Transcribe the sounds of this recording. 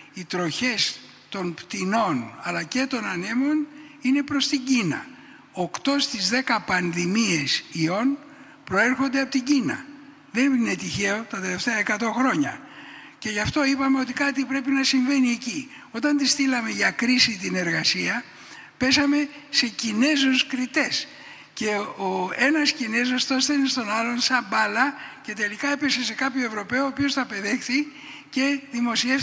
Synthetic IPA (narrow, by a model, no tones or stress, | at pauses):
it̪ɾo̞çe̞s | t̪o̞npt̪ino̞nɐlɐce̞t̪o̞nɐne̞mo̞n | ine̞pɾo̞st̪iɲɟinɐ̰ | okt̪o̞st̪izðe̞kɐpɐnðimie̞sio̞n | pɾo̞e̞ɾxo̞nd̪eɐpo̞t̪iɟinɐ̰ | ðe̞nine̞t̪içe̞o̞t̪ɐt̪e̞le̞ft̪eɐekɐt̪o̞xɾo̞ɲɐ̰ | ce̞ʝɐft̪o̞ipɐme̞o̞t̪̬ikɐt̪ipɾe̞pinɐsiɱve̞nieci | o̞t̪ɐnt̪ist̪ilɐme̞ʝɐkɾisit̪ine̞ɾɣɐsiɐ | pe̞sɐme̞ | se̞cine̞zoskɾit̪e̞s | ce̞oe̞nɐscine̞zost̪o̞st̪einest̪o̞nɐlonsɐmbɐlɐce̞t̪elikɐe̞pe̞se̞se̞kɐpçoe̞vɾo̞pe̞oːpio̞sθɐpe̞ðe̞xθi | ce̞ðimo̞sie̞f